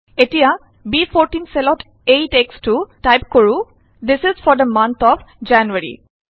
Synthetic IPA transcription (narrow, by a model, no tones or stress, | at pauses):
eʈia | biːfɔɾʈĩnselɔʈ | eʈeksʈuʈaɪp̚koɹu | d̪ɪsɪzfɔɾd̪əmʌ̃nt̪ʰɔfd͡ʒænjuəɾḭ